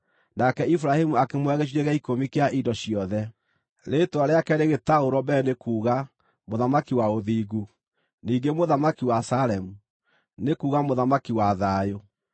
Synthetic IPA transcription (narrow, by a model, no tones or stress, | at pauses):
nakɛifuɾahemuakemwɛɣeɕ̬iɾɛɣɛikomikeaʔidɔɕijɔðɛ | ɾetwaɾeakɛɾeɣetaoɾɔbɛnekuːɣa | moðamakiwaoðiːɡu | niːŋɡemoðamakiwasaɾɛmu | nekuːɣamoðamakiwaðajo